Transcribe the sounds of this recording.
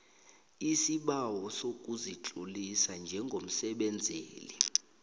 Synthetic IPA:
isiɓawɔsok̬ʼuzit͡ɬʼulisand͡ʒʱɛŋɡʱom̩sɛɓɛnd͡zʱeːli

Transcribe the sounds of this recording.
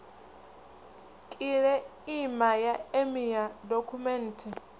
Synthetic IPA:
kʼiɺɛimajaemiadokʰumɛn̩ːtʰɛ

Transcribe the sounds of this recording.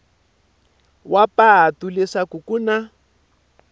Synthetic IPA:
wapatulɪʂakukuna

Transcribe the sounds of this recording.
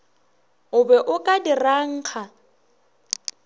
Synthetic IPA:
ʊbɛʔʊkʼadiraŋ̩ːk͡xʰa

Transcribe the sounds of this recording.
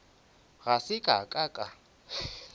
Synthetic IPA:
ɣasɪkʼa̰kʼakʼa

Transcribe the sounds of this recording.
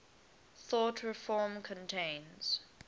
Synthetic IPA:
θɔtʰɹɪfɔːmkʰə̃ntʰẽɪ̃nz̥

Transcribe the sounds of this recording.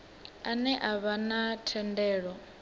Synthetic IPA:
anɛʔaβanatʰɛndɛːɺɔ

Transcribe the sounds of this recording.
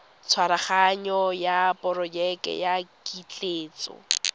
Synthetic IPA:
t͡sʰwaɾaχaɲɔjapʼɔrɔd͡ʒɛkɛ̰jakit͡ɬʼeːt͡sɔ̰

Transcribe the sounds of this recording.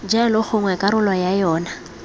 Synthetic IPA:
d͡ʒalʊχʰʊŋwɛkʼaɾʊlwajajɔːna

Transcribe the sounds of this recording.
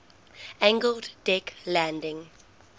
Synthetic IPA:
æ̃ŋɡəlddɛklæ̃ndɪ̃ŋ

